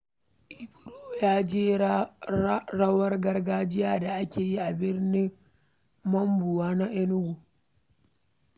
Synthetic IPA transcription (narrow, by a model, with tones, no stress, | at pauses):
ʔi˨bu˦ɾoː˦˨jaː˦d͡ʒeː˦ | ɾa˦wɐ˦ɾɡɐ˦ɾɡaː˦d͡ʒɪ˦ja˨da˨ʔa˦kʲeː˨ji˦a˨bɪ˦ɾni˦ŋ | mɐ˦mbu˨waː˦na˦ʔɛ˦nu˦ɡu˨